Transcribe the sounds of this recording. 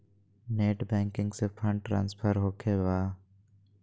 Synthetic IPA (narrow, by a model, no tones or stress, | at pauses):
neːʈbɛ̃ːŋkɪ̃ŋɡsepʰə̃ɳɖʈːɾã̰ːnspʰəɾɦoːkʰeːbaː